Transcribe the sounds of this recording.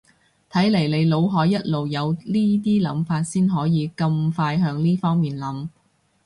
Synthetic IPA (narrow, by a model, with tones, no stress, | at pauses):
t̪ʰɐ˨˥jle˨˩jle˨˧jlo˨˧wɦɔː˨˥jːɐ˥t̚lo˨wjɐ˨˧wliː˥t̪̬iː˥lɐ˨˥mfaː˧t̚siː˥nɦɔː˨˥jiː˨˧kɐ˧mfaː˧jɦœː˨˧ŋliː˥fɔː˥ŋmiː˨nlɐ˨˥m